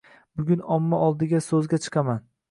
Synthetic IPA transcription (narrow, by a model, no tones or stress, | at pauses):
bʊɡʲʊnɒmːaɒlˠd̪ɪɡʲasɵzɡʲat͡ʃʰɨ̥qʰɑman